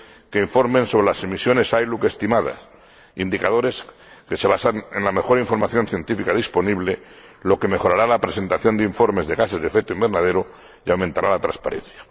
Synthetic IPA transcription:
keiɱfo̞ɾmẽ̞nso̞βɾe̞lasemisjo̞ne̞sajluke̞st̪imaða̰s | ind̪ikaðo̞ɾe̞s | ke̞seβasane̞nlame̞xo̞ɾaiɱfo̞ɾmaθjo̞nθje̞nt̪ifikaðispo̞niβle̞ | lo̞ke̞me̞xo̞ɾaɾalapɾe̞se̞nt̪aθjo̞nd̪eiɱfo̞ɾme̞zðe̞ɣase̞zðefe̞k̚t̪oimbe̞ɾnaðe̞ɾo | jawmẽnt̪aɾalat̪ɾaspa̰ɾḛ̃n̟θjḁ

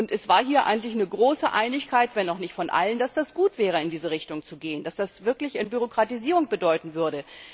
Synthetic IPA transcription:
ʔʊntɛsv̥aːɐɦiːɐʔaɪɡŋ̩n̩tlɪçnəɡʁoːsəʔaɪnɪçkʰaɪtv̥ɛnaʊxnɪçtfɔnʔa̰lənd̥asd̥asɡ̥uːtv̥ɛːʁ̞əɪndiːzəʁɪçtʊŋt͡suɡeːənd̥asd̥asv̥ɪɐklɪçanbyʁokʁ̥atiziːʁʊŋb̥ədɔʏtn̩vʏɐɾə

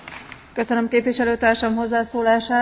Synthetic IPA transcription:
kø̞sønømkeːpʋiʃɛløːt̪aːrʃɒmɦo̞zːaːsoːlaːʃaː

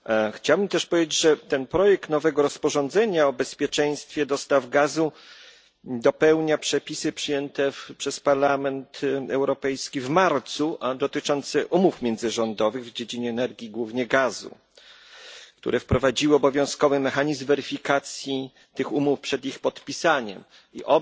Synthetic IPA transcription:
xt͡ɕawbɘmt̪ɛʂpɔvʲed͡ʑed͡ʑʐɛt̪ɛnpɾɔjɛk̚t̪nɔvɛɡɔɾɔspɔʐɔ̃nd̪zɛɲaɔbɛspʲjɛt͡ʂɛj̃st̪fʲjɛd̪ɔst̪avɡazu | d̪ɔpɛwɲapʂɛpʲisɘpʂɘjɛnt̪ɛpʂɛspaɾlamɛnt̪ɛwɾɔpɛjskʲivmaɾt̪suʔad̪ɔt̪ɘt͡ʂɔnt̪sɛʔumufmʲjɛnd̪zɘʐɔnd̪ɔvɘɣvd͡ʑed͡ʑiɲɛːnɛɾɡʲjiɡwuvɲɛɡazṵ | kt̪ṵɾʔɛfpɾɔvad͡ʑiwɘɔbɔvʲjɔ̃w̃skɔvɘmɛxaɲizmvɛɾɘfʲikat̪sʲji | t̪ɘxumufpʂɛd̪ixpɔt̪pʲisaɲɛ̰m | ḭʔɔ

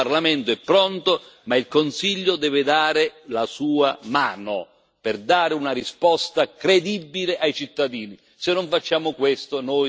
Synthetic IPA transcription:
arlamɛnt̪oɛpːɾɔnt̪omailkonsiʎːod̪ɛːvɪd̪aːɾɪlasuːamaːno | pɪrd̪aːɾɪunaɾispɔst̪akɾed̪ibːilɪʔajt͡ʃit̪ːad̪iːni | sɪnːoɱfat͡ʃːaːmʊkwest̪onɔːj

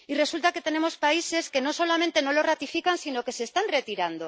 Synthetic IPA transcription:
ire̞sult̪ake̞t̪e̞ne̞mo̞spaise̞ske̞nõso̞lamẽnt̪e̞nõlorat̪ifikansinoke̞seːst̪anret̪iɾand̪o

